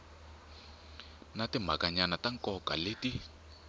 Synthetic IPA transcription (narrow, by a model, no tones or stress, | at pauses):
natɪm̤a̰kaɲanataŋkʼɔkʼaleti